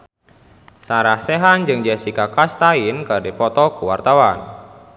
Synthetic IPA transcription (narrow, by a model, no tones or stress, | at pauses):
saɾahseɦand͡ʒɨŋd͡ʒɛsikakast̪ainkərdipɔt̪ɔkuwart̪awan